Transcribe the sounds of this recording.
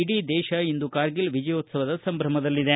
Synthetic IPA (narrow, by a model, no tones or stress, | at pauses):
iɖid̪ɛːʃɐind̪ukaːɾɡilʋid͡ʒɐjoːt̪sɐʋɐd̪ɐsɐmbʱɾɐmɐd̪ɐlːid̪e